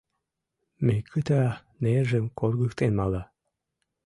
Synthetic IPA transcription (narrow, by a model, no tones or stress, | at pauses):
mekʰət̪æ | neʒəmkorɣək̚t̪enmɑlɑ